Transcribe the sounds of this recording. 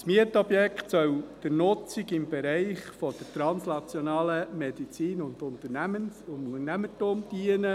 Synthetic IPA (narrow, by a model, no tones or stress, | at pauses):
smiətɔbjɛkχtsœwd̥ɪɾnʊt͡sɪɡɪmb̥ɛɾɛɪχfɔd̥əɾtɾɑnsnɑt͡sjɔnɑːləmɛd̥it͡siːnʊnd̪ʊnt̪əɾnæmənʊənæmətumd̥iənə